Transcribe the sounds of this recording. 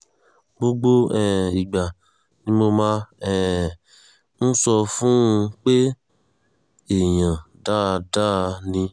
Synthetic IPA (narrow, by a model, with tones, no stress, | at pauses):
ɡ͡bo˦ɡ͡bo˦ɛ˨i˨ɡ͡ba˨ | nĩ˦mo˧mã˦ɛ˦˨ | n̩˦sɔ˧fũ˦˧k͡pe˦ | e˨jã˨ | da˦˧da˦˧nĩ˧